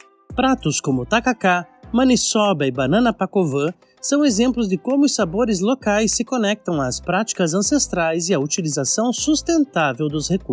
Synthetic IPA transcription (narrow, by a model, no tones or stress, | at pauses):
pɾat̪ʊskõmʊt̪akaka | mɐ̃nisɔbɐɪbanɐ̃nɐpakovɐ | sɐ̃w̃ezẽmplʊzd͡ʒɪkõmʊʊsaboɾɪzlokajsːɪkonɛk̚t̪ɐ̃w̃aːspɾat͡ʃi̥kɐzɐ̃sest̪ɾajzɪaut͡ʃilizasɐ̃w̃sust̪ẽnt̪avewd̪ʊsheku